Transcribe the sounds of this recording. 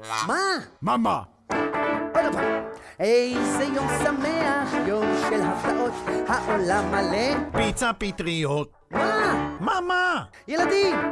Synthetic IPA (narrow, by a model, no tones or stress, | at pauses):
mamama | olapaejsejoŋsameajoŋʃelɦapt̪aʔothaʔolamalepit͡sapit̪ɾiot̪̚mamama | jalad̪i